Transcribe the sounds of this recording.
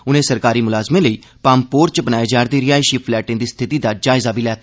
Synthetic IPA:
ʊnẽːsəɾkaːɾiːmʊlaːzmẽːləiː | paːmpoːɾt͡ʃbənaːjeːd͡ʒaːɾd̪iːɾɪjaːɪʃiːpʰlɛːʈɪ̃nd̪iːst̪ʰɪt̪iːd̪aːd͡ʒaːɪzaːbiːlɛːt̪ː

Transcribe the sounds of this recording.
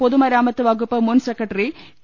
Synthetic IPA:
pɔðɯmɐɾaːmɐt̪ːɯʋɐɣɯpːɐmʊnsɛkːɐʈːɐɾi

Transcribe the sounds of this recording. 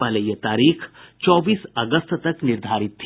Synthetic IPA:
alejət̪aɾiːkt͡ʃɔʋiːsəɡəst̪t̪əkniɾd̪ʱaɾit̪ʰː

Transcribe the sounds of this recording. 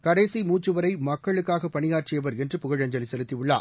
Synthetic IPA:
kɐɽɐːsimuːt͡ʃːɯʋɐɾɐɪmɐkːɐɭɯkːaːɣɐpːɐɳɪjaːrt͡ʃɪjɐʋɐɾɛndrɯpʊɣɐɻɐɲd͡ʒɐlɪsɛlɯt̪ːiʊɭːa̰ː

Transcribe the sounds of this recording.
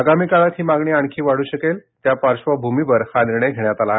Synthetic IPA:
əɡamiːkaɭat̪ɦiːmaɡɳiːaɳ̃kʰiːʋaɽ̤uːɕəkelt̪japaɾɕʋabʱumibəɾxad̪ɾɳeɡʱeɳjat̪ala

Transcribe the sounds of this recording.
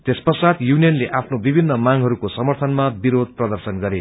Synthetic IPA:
t̪espʌsad̪junijʌnleʔapʰnobibʱinːʌmaŋɦʌɾukosʌmʌrt̪ʰʌnmabiɾod̪̚prʌd̪ʌrsʌnɡʌɾe

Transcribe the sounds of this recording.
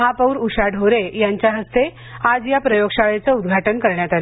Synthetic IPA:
ɦapəwɾuɕaɖʱoɾejaɲt͡ɕjaɦəst̪e | ad͡zjapɾəjoɡʂaɭet͡səud̪ɡʱaʈənkəɾɳjat̪ale

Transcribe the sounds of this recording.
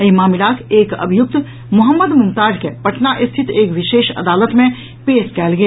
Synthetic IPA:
emaːmɪlaːkʰeːkɐ̰bʱijʊk̚t̪ | mʊɦəmːəd̪mʊ̃mt̪aːd͡ʒkepɐʈnaʔɪst̪ʰɪt̪eːkʋɪʃeːʃɐ̰d̪aːlət̪mẽ | peːskɛːlɡe

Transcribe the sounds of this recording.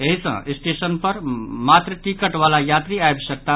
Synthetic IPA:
eɦisə̰̃isʈesənpəɾmat̪ɾəʈikəʈʋalajat̪ɾiajbsək̚t̪a

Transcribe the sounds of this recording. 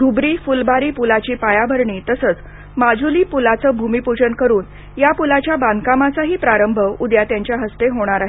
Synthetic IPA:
ɡ̪ʱubɾiːfulbʱaɾiːpulat͡ɕiːpajabʱəɾɳiːt̪əsəːt͡s | mad͡ʑuliːpulat͡səːbʱumipud͡ʑənkəɾuːn | japulat͡ɕjaband̪kamat͡saɦiːpɾaɾəmbʱəud̪jat̪jaɲt͡ɕjaɦəst̪eɦoɽ̃aɾaɦe

